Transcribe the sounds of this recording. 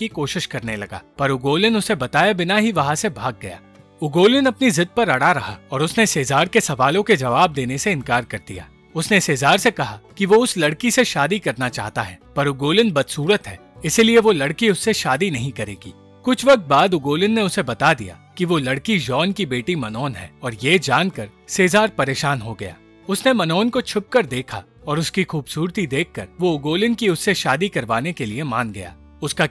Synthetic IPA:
ikoːʃɪʃkɐɾnelɐɡa̰ːpɐɾʊɡoːlɪnʊsebɐt̪aːjabɪnaɦiʋɐɦãsebʱaːɡːɐja̰ː | ʊɡoːlɪnɐpnizɪd̪̚pɐɾɐɽaɾɐɦa̰ɔːɾʊsneseːzaːɾkesɐʋaːlõked͡ʒɐʋaːb̚d̪eːneseɪ̃nkaːɾkɐɾd̪ḭja̰ː | ʊsneseːzaːɾsekɐɦakiʋoʊslɐɽkiseʃaːd̪ikɐɾnat͡ʃa̰ːɦt̪aɦɛ̰ːpɐɾʊɡoːlɪnbɐd̪suːɾət̪ɦɛː | ɪsilieʋolɐɽkiʊsːeʃaːd̪inɐɦĩkɐɾḛːɡḭː | kʊt͡ʃʰʋɐk̚t̪̚baːd̪ʊɡoːlɪnːeʊsebɐt̪ad̪ḭja̰kiʋolɐɽkid͡ʒɔːnkibeːʈimɐnɔːnɦɛ̰ːɔːɾjeːd͡ʒaːnkɐɾseːzaːɾpɐɾeːʃaːnɦoɡɐja̰ː | ʊsnemɐnɔːnkot͡ʃʰʊp̚kɐɾd̪eːkʰa̰ | ɔːɾʊskixuːbsuːɾt̪id̪eːkʰːɐɾʋoʊɡoːlɪnkiʊsːeʃaːd̪ikɐɾʋaːnekeliemaːnɡɐ̰ja̰ː | ʊska

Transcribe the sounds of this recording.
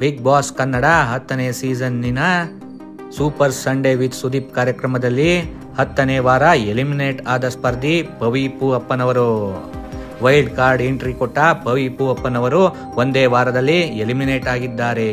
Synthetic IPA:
bik̚baːskɐnːɐɽɐɦɐt̪ːɐneːsiːd͡ʒɐnːinɐ | suːpɐɾsɐɳɖeʋit̪sud̪iːp̚kaːɾjɐkɾɐmɐd̪ɐlːi | hɐt̪ːɐneːʋaːɾɐelimineːʈaːd̪ɐspɐɾd̪ʱipɐʋiːpuɐpːɐnɐʋɐɾu | ʋɐjlɖkaːɾɖeɳʈɾikoʈːɐpɐʋiːpuɐpːɐnɐʋɐɾu | ond̪eːʋaːɾɐd̪ɐlːielimineːʈaːɡid̪ːaːɾe̞

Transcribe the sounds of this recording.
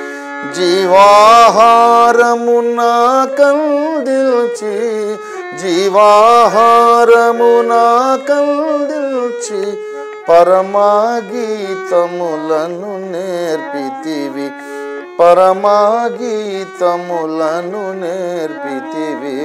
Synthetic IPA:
d͡ʒiʋaːɦaɾɐmunaːkɐld̪ilt͡ʃʰi | d͡ʒiʋaːɦaɾɐmunaːkɐld̪it͡ʃʰi | pɐɾɐmaːɡit̪ɐmulɐnuneɾpit̪iʋi | pɐɾɐmaːɡit̪ɐmulɐnuneːɾpit̪iʋi

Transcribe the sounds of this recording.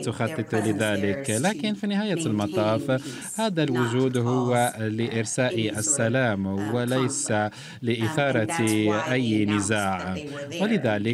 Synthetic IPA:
t̪ʊxɑt̪ˤːɨt̪ˤʊlɪðaːlɪklaːkɪnfinɪhaːjalmɑt̪ˤɑːf | haːd̪alwʊʒuːd̪ɦʊwːaləʔɪɾsaːʔiʔæsːalaːmwalæjsa | ləʔɪθɑːɾˤɑʔæjːnɪzaːʕwalɪðæːlɪ

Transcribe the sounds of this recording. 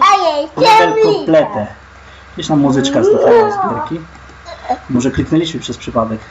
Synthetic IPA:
ajɛɛmkɔplɛt̪ɛ | ɡdiɕnamːuzɘt͡ʂkasɔt̪aɔspɔd̪ɛɾkʲi | mɔʐɛklʲiknɛlʲiɕmɘpʂɛspʂɘpad̪ɛk

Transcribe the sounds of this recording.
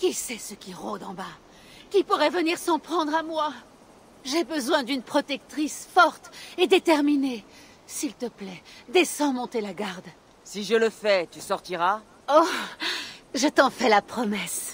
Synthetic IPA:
kʲisɛsəkʲiʁod̪ɑ̃ba | kʲipuʁɛvəniʁsɑ̃pχɑ̃d̪ʁamwa | ʒɛbəzwɛ̃d̪ynpχɔt̪ɛk̚t̪χisfɔʁt̪ed̪et̪ɛʁmine | silt̪əplɛd̪esɑ̃mɔ̃t̪elaɡaʁd̪ | siʒələfɛt̪ysɔʁt̪iʁa | o | ʒət̪ɑ̃fɛlapχɔmɛs

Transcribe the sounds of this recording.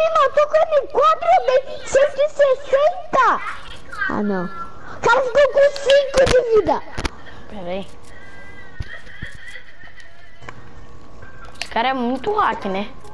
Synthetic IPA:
imãt̪okonĩkwat̪ɾobe | setisesẽnt̪a | a̰nã | kaɾafikokũsĩŋkodivid̪a | bɛɾej | kaɾɛmũt̪uakɪnɛ

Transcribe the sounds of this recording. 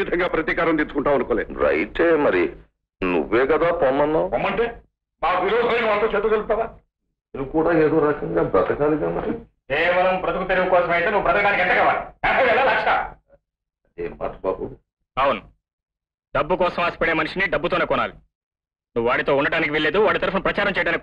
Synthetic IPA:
id̪ʱɐŋɡaːpɾɐt̪iːkaːɾɐmnt̪iːt͡ʃːukuɳʈaːɐnukoːleːd̪ɾɐ̰jʈeːmɐɾḭ | nṵʋːeːkɐd̪aːpɔːmːɐnːaomːɐɳʈeː | maːkiloːsɐɐnikʋaːlt̪oːt͡ʃeːd̪uɡɐl̚t̪ːaːlaː | nenukuːɽaːeːd̪oːɾɐkɐŋɡaːbɐt̪ɐkaːlid̪aːmɐɾikɛːʋɐlɐmpɾɐt̪ukut̪eɾiɡɐkɔːsɐmɐjt̪eːnuʋubɾɐt̪ɐkɐɖaːnikɛɳʈ̪ːɐkɐʋaːliaːmpɐlʋɛlːaːlaːkt͡ʃːɐʈaː | ɐd̪eːma̰ːʈɐba̰ːbu | ɐwunu | ɖɐbːukɔːsɐmaːsi̥pɛɽeːmɐniʂiniɖɐbːut̪oːne̞ːkɔna̰ːli | nuʋʋaːɽit̪o̞ːuɳːɐɽaːnik̬iʋeɭːe̞ːd̪uʋaːɽit̪ɐɾɐpunɐpɾɐt͡ʃaːɾɐmt͡ʃɛjɖaːnik

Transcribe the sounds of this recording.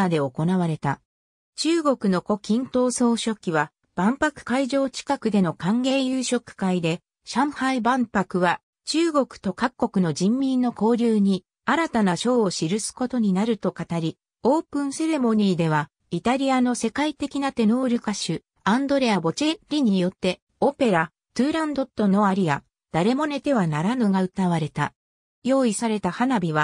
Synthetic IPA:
ad̪e̞o̞ko̞naβaɾe̞t̪a | t͡ɕɨːɡo̞kɯ̟no̞ko̞kʲĩnt̪o̞ːso̞ːɕo̞kʲːiβa | b̥ãmpakɯ̟̥kaiʑo̞ːt͡ɕi̥kakɯ̟d̪e̞no̞kãŋɡe̞ːjɯːɕo̞kɯ̟̥kaid̪e̞ | ɕãɰ̃haibãmpakɯ̟βa | t͡ɕɨːɡo̞kɯ̥t̪o̞kakːo̞kɯ̟no̞ʑĩmːʲĩnːo̞ko̞ːɾʲɯːɲ̟i | aɾat̪anaɕo̞ːɕiɾɯ̟sɨ̥ko̞t̪o̞ɲ̟inaɾɯ̟t̪o̞kat̪aɾʲi | o̞ːpɯ̟̃ɰ̃se̞ɾe̞mo̞ɲ̟iːd̪e̞β̞a | it̪aɾʲiano̞se̞kait̪e̞kʲinat̪e̞no̞ːɾʲɯkaɕɨ | ãnd̪o̞ɾe̞abo̞t͡ɕe̞ɾʲiɲ̟ijo̞t̪ːe̞ | o̞pe̞ɾa | t̪ɯːɾãnd̪o̞t̪ːo̞no̞aɾʲia | d̪̥aɾe̞mo̞ne̞t̪e̞βanaɾanoɡaɯ̟t̪aβ̞aɾe̞t̪a̰ | jo̞ːisaɾe̞t̪ahanabʲiβa

